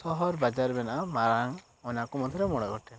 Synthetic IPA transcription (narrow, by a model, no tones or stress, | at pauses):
sɔɦɔɾbad͡ʒaɾbɛnaamaɾaŋ | ɔnakɔmɔd̪ʱjɔɾɛmɔɽ̃ɔɡɔʈɛ